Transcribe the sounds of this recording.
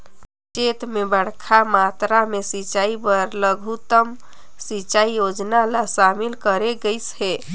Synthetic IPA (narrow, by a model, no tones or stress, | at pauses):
t͡ʃet̪mebəɽ̤kʰamat̪ɾamesit͡ʃaibəɾləɡʱut̪əm | sit͡ʃaijod͡ʒnalasamilkəɾeɡəɪshe